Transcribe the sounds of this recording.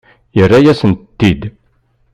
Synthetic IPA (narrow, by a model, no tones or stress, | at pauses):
jərːæjæsənt̪ːid̪